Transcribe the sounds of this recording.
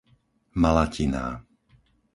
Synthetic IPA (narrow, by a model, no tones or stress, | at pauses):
malacina̰ː